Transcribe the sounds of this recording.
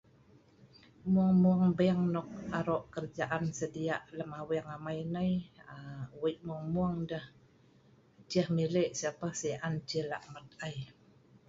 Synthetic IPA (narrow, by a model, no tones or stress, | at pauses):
muaŋmuaŋbəaŋnɔk̚aɾɔʔkərd͡ʒaʔansədiaʔləmawiŋamajnajawəjʔmuaŋmuaŋdəh | d͡ʒəhmileʔsiapahsəʔant͡ʃəla̰ʔmət̪̚aj